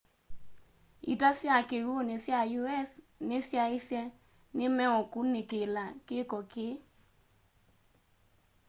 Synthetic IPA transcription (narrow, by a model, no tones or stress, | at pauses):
ḭtasjakeɣonɪsjajuɛs | nɪsjaɪsjɛ | nɪmɛɔkunːɪkelakekɔkɪ